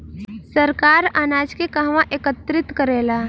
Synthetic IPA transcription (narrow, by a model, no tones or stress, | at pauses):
səɾkaːɾaːnaːd͡ʒkekəɦʋãʔeːkət̪ɾɪt̪kəɾeːlaː